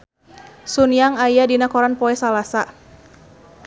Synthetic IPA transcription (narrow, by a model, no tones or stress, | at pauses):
sunijaŋajadinakɔɾanpɔɛsalasa